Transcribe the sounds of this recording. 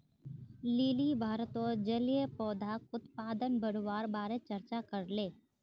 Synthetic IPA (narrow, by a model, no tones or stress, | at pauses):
liːlibʱaːɾət̪od͡ʒəlijepɔːd̪ʱakʊt̪paːd̪ənbəɽwaːɾbaːɾet͡ʃəɾt͡ʃakəɾleː